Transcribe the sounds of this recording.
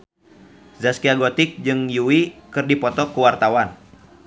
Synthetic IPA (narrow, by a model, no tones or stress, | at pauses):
zaskiaɡɔt̪ik̚d͡ʒɨŋjuwikɨrdipɔt̪ɔkuwart̪awan